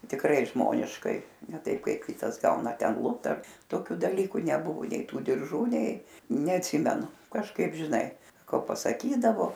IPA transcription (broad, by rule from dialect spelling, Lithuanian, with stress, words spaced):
tʲɪkˈrɐɪ ˈʒmoːnʲɪʃkɐɪ nʲɛ ˈtɐɪp ˈkɐɪp ˈkʲɪtɐs ˈɡɐʊnɐ ˈtʲɛn ˈlˠʊpt ɐr toːˈkʲʊ dɐˈlʲiːkʊ nʲɛˈbʊʋʊ nʲɛɪ ˈtuː dʲɪrˈʒuː nʲɛɪ nʲɛɐtʲˈsʲɪmʲɛnʊ kɐʃˈkɐɪp ʒʲɪˈnɐɪ ˈkoː pɐsɐˈkʲiːdɐʋoː